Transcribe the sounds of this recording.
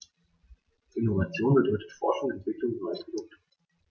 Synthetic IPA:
ʔɪnovat͡sjoːnbədɔʏtətfɔɐʃʊŋɛntv̥ɪklʊŋnɔʏəsɡ̥ənʊk̚t

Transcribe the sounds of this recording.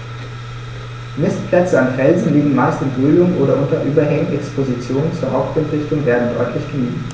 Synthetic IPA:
mɪstpʰlɛt͡səanfɛlzn̩liːɡŋ̩maɪstɪnbʁyːlʊŋʔoːɾɐʔʊntɐʔyːbɐɦɛŋŋ̩ʔɛkspʰozit͡sjoːnənt͡suːɐɦaʊp̚tɪntʁ̥ɪçtʊŋveːɐdn̩dɔ̰ʏtʰlɪçɡ̥əniːt

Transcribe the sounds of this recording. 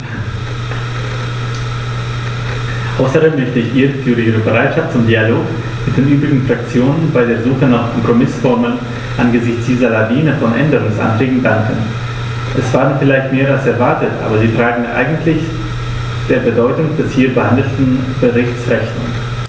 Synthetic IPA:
ʔaʊsɐdeːmːœçtəɪçʔiːʁətʰyːʁəiːʁəbəʁaɪtʃaft̚t͡sʊmdialoːk | mɪt̚d̥eːnʔyːbʁɪɡŋ̩fʁ̥ak̚t͡sjoːnənbaɪdeːɐzuːxənaːχkʰɔmpʁ̥omɪsfɔɐməln | ʔanɡəzɪçt͡sd̥iːzɐlaviːnəfɔnʔɛ̰ndəʁʊŋsʔa̰ntʁ̥ɛːɡŋ̩daŋkən | ʔɛsv̥aːdnfɪlaɪçtmeːɐalsɛɐvaɐtətʔa̰ːbɐziːtʁ̥aːɡŋ̩ʔa̰ɪɡŋ̩tʰlɪç | d̥eːɐbədɔʏtʊŋd̥ɛshiːɐbəhandl̩tn̩b̥əʁɪçtt͡sʁɛçnʊŋ

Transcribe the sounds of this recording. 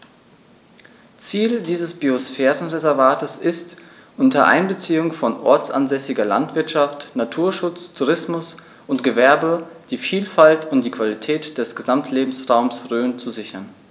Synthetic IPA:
t͡siːldiːzəsb̥iosfɛːʁənʁezɛɐvaːtəsɪst | ʔʊntɐʔa̰ɪnbət͡siːʊŋfɔnʔɔ̰ɐt͡sʔa̰nzɛsɪɡɐla̰ntv̥ɪɐtʃaftnatʰuːɐʃʊt͡stʰuʁɪsmʊs | ʔʊntɡ̥əvɛɐbəd̥iːfiːlfaltʰʊntd̥iːkv̥alitʰɛːtd̥ɛsɡ̥əzamtʰleːbm̩sʁaʊmsʁøːnt͡suzɪçɐn

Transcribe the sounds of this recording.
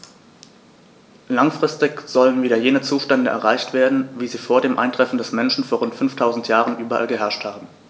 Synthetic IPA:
laŋfʁ̥ɪstɪçz̥ɔlənviːdɐjeːnət͡suːʃtɛndəʔɛ̰ɐʁaɪçtv̥eːɐdn̩viːziːfoːɐdeːmʔa̰ɪntʁ̥ɛfn̩dɛsmɛnʃn̩foːɐʁʊntfʏnftʰaʊzn̩tjaːʁənʔyːbɐʔa̰lɡəɦɛɐʃthaːbm̩

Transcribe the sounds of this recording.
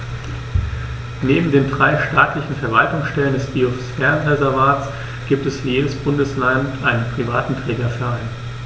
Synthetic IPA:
neːbm̩deːndʁaɪʃtaːtlɪçn̩fɛɐvaltʊŋsʃtɛləndɛsb̥iːɔfsfɛɐnʁɛzɛɐvaːtt͡s | ɡ̥iːp̚tɛsfjeːdəsb̥ʊndəslantʔaɪnənpʁ̥ivaːtn̩tʁ̥ɛːɡɐfɛɐaɪn

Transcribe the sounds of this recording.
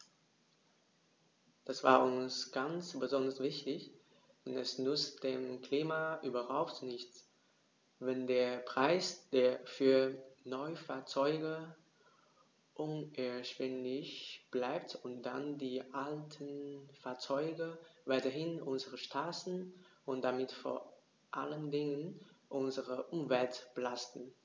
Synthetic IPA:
d̥asv̥a̰ːɐʔʊnsɡ̥ansb̥əzɔndɐsv̥ɪçtɪç | d̥ɛnɛsnʏt͡std̥eːmkʰl̥iːmaʔyːbɐhaʊptnɪçt | vɛndeːɐpʁ̥aɪsd̥eːɐfyːɐnɔʏfaːɐt͡sɔʏɡə | ʔʊnɛɐʃv̥ɪnlɪçb̥laɪp̚tʊnt̚d̥a̰ndiːʔaltʰənfaːɐt͡sɔʏɡəvaɪtɐɦɪnʔʊnzəʁəʃtʰaːtn̩ʔʊntd̥amɪtfo̰ːɐ | ʔa̰ləndɪŋənʔʊnzəʁəʔʊmvɛltb̥əlastn̩

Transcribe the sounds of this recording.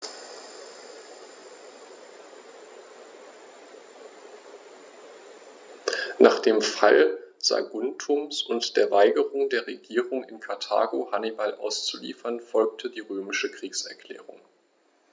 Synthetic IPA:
nʔaːχd̥eːmfa̰lz̥a̰ɡʊntʰʊmsʊntd̥eːɐvaɪɡəʁʊŋdeːɐʁeɡiːʁʊŋɪnkʰaɐtʰa̰ːɡohanibalʔa̰ʊst͡sulḭːfɐnfɔlk̚tʰədiːʁøːmɪʃəkʁ̥iːksɛɐkl̥ɛ̰ːʁʊ̰ŋ

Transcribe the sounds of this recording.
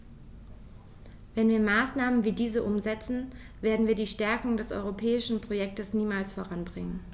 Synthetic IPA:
vɛnviːɐmaːsnaːmənviːdiːzəʔʊmzɛt͡sn̩ | veːɐdn̩viːɐdiːʃtɛɐkʊŋdɛsʔɔ̰ʏʁopʰɛːɪʃn̩pʁ̥ojɛk̚təsniːmaːlsfoʁanbʁɪŋən

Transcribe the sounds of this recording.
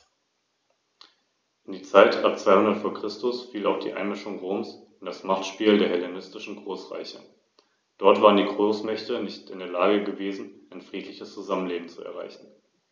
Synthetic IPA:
ʔɪndiːɐt͡saɪtʔap̚t͡sv̥aɪhʊndɐtfoːɐkʁ̥ɪstʊsfiːlaʊfd̥ḭːʔa̰ɪnmɪʃʊŋʁoːms | ɪnd̥asmaχtʃpiːldeːɐɦɛlenɪstɪʃn̩ɡʁoːsʁa̰ɪçə̰ | d̥ɔɐtv̥aːʁəndiːɡʁoːsmɛçtənɪçtɪndeːɐlaːɡəɡəveːzn̩ʔaɪnfʁ̥iːtʰlɪçəst͡suzamənleːbm̩t͡suɛ̰ɐʁ̞a̰ɪçn̩

